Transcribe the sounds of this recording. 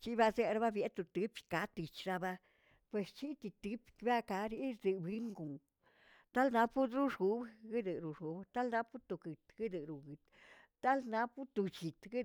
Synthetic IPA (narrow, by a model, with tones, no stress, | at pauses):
t͡ʃi˦ba˧ze˦˧ɾa˦ba˦bje˨˦t̪u˧t̪ɨ˨˦pka˨˦t̪i˨t͡ʃɾa˦˧ba˦ | pwe˨st͡ʃi˦t̪i˧t̪ɨ˧˦pkba˦ka˧ɾi˦ɾd̪e˨˧bi˦ŋɡu˨ŋ | t̪a˦lna˧˦pu˦d̪ɾu˦ʂu˨˦bɡi˦d̪ɨ˨ɾu˨ʂu˨˦bt̪a˦lna˦pu˦t̪u˧ɡɨ˨t̪ɡɨ˦d̪ɨ˨ɾu˨ɡɨ˨t̪ː | a˦lna˦pu˦t̪u˧t͡ʃi˨t̪ɡi˦